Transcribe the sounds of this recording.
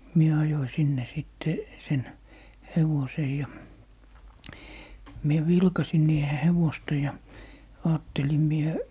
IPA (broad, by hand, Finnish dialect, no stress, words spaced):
mie ɑjoi sinːe siˑtːe sen heʋosej jɑ mie ʋilkɑsin niːhe heʋostɑ jɑ ɑːtːelim mie